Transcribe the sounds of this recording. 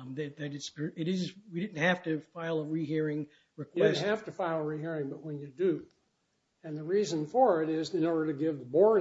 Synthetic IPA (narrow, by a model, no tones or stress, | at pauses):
ðɨt̚ðɨɾɨtspə˞ɨɾɪzwidɪdⁿn̩t̚hæftɨfaɪlˠəɹiɦiɹɪ̃ŋ | ɹɨkʰw̥ɛns̩n̩hæftɨfaɪlˠəɹiɦiɹɪ̃ŋbʌʔ̚wə̃njɨdɨ | ɨ̃nðɨɹizɨ̃nfə˞ɪɾɪzɨ̃nɔɹɾə˞ɾɨɡɪvðəbɔɹ